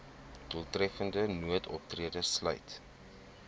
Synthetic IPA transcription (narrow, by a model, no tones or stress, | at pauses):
d̥uəlˠtrɛfəndənuətʰɔp̚triədəslə̰jt